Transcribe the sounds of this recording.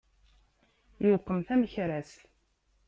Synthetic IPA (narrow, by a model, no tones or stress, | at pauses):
jʊqːəmθæməçɾæsl